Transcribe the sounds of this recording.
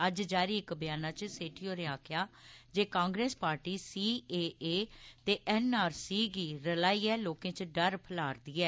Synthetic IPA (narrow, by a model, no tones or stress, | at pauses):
əd͡ʒd͡ʒaːɾiːɪkbɪjaːnãːt͡ʃseːʈʰiːoːɾeaːkʰɪjaːd͡ʒeːkãːŋɡɾeːspaːɾʈiːsiːeːeːt̪eːʔɛːnaːɾsiːɡiːɾəlaːiːɛːloːkẽːt͡ʃɖəɾpʰəlaːɾd̪iːɛː